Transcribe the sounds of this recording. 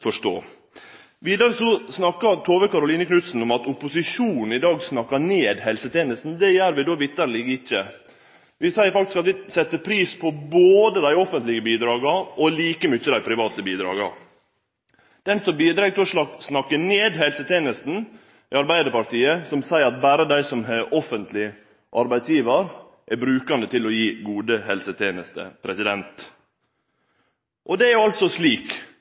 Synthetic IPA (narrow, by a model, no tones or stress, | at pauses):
fɔʂto̰ː | ʋiːd̪ɑɾəsɔsnɑkːɑɾt̪ʰoːʋəkɑɾʊliːnəkʰnʉt̪sn̩ɔmɑt̪ʊpʊsɪʂuːnn̩ɪd̪ɑːɡsnɑkːɑneːd̪hɛlsət̪ʰeːnəst̪n̩d̪ɛjæːɾʋɪd̪oːʋɪt̪ːəɾliːɡɪçːə | ʋɪsæɪəɾfɑkt̪ɪ̥skɑt̪ʋɪsɛt̪ːəpʰɾiːspʰɔboːd̪əd̪æɪɔfənt̪lɪɡəbiːd̪ɾɑːɡɑʔɔliːkəmʏçːəd̪æɪpʰɾɪʋɑːt̪əbiːd̪ɾɑ̰ːɡɑ̰ | d̪̥ɛnsɔmbiːd̪ɾɑːɡ̚t̪ɪɔʂlɑsnɑkːəneːd̪hɛlsət̪ʰeːnəst̪n̩ | ɪɑɾbæɪd̪əɾpɑɾʈ̪iːəsɔmsæɪəɾɑt̪̚bæːɾəd̪æɪsɔmɦɛʔɔfənt̪ʰlɪə | ʔɑɾbæɪsjiːʋəɾ | ʔæbɾʉːkɑnd̪ət̪ʰɪlɔjiːɡuːd̪əɦɛlsət̪ʰeːnəst̪ə̰pʰɾɛsɪd̪ɛnt̪ | ʔɔd̪ɛæɾjʉɑlt̪sɔsliːk